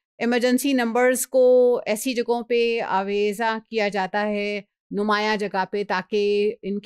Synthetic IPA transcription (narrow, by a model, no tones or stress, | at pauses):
ɪməɾd͡ʒə̃nsinɐ̃mbəɾzkoɛːsid͡ʒɐɡõpea̰ːʋeːzakijad͡ʒaːt̪aɦɛ | nʊmaːjãd͡ʒɐɡapet̪aːkeɪnk